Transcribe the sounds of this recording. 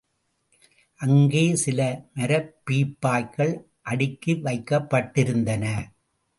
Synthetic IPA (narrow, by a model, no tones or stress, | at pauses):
ʔɐŋɡeːsɪlɐmɐɾɐpːiːpːaːjkɐɭ | ʔɐɽɪkːɯʋɐɪkːɐpːɐʈːɪɾɯnd̪ɐnɐ